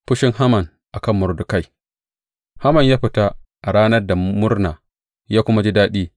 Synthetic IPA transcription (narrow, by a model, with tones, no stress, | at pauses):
ɸʊ˦ʃɪ˦ŋɦa˦mɐ˨n | ʔa˨kɐ˦˨mːʊ˨ɾdʊ˨ka˦j | ha˦mɐ˨ɲjaː˦ɸɪ˨ta˦ʔa˨ɽaː˦nɐ˦rda˨mʊ˦rnaː˨ | jaː˦kʷʊ˦ma˦d͡ʒi˦daː˦ɗiː˦